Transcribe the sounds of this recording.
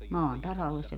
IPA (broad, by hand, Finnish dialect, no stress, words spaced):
mɑːn tɑsɑlːes se